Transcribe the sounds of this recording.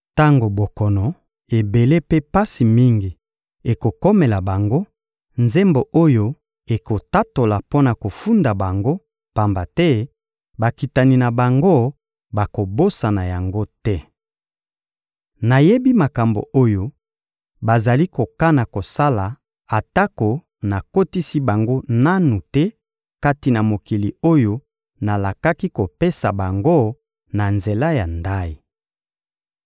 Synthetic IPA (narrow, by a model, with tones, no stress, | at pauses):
ta˦ŋɡo˨bo˨kɔ˨nɔ˨ | e˨be˨le˦pe˦pa˦si˨mi˦ŋɡi˨ | e˨ko˨kɔ˦me˨la˨ba˨ŋɡo˦ | nze˦mbo˨ʔo˦jo˦ | e˨ko˨ta˦to˨la˨po˦na˨ko˨fu˦nda˨ba˨ŋɡo˦ | pa˨mba˨tɛ˦ | ba˨ki˨ta˨ni˨na˨ba˨ŋɡo˦ | ba˨ko˨bo˦sa˨na˨ja˨ŋɡo˦tɛ˦ | na˨je˦bi˦ma˨ka˨mbo̰˨ʔo˦jo˦ | ba˨za˨li˦ko˨ka˦na˨ko˨sa˦la˨ | a˨ta˦ko˨ | na˨ko˦ti˦si˦ba˨ŋɡo˦na˦nu˨tɛ˦ | ka˦ti˨na˨mo˨ki˨li˨o˦jo˦ | na˨la˨ka˦ki˦ko˨pe˦sa̰˨ba˨ŋɡo˦ | na˨nze˨la˦ja˨nda˦ji˨